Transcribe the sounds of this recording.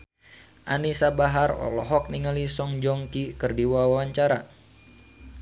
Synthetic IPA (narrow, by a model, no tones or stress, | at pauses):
ʔanisabaɦarɔ̰lɔɦɔk̚niŋalisɔŋd͡ʒɔŋkikɨrdiwawawaɲt͡ʃaɾa̰